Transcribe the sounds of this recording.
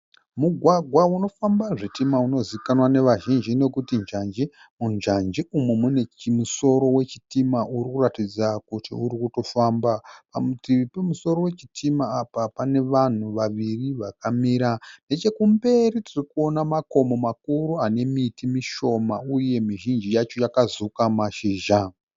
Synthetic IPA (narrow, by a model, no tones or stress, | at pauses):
muɡʱwaɡʱwauno̞fambaʐitimauno̞zikanwane̞ʋaʒind͡ʒine̞kutind͡ʒand͡ʒi | mund͡ʒand͡ʒiumwemune̞imuso̞ɾo̞we̞t͡ʃi̥timauɾikuratid͡zakutʰḭuɾikuto̞faːmbapamutiipemuso̞ɾo̞we̞t͡ʃi̥tʰimaːpapane̞ʋan̤uʋaʋiriʋakamiːɾane̞t͡ʃe̞kumbe̞ritirikuo̞namako̞momakuɾuane̞mitʰimiʃo̞mauje̞miʒind͡ʒijat͡ʃo̞jakazukamaʃiːʒa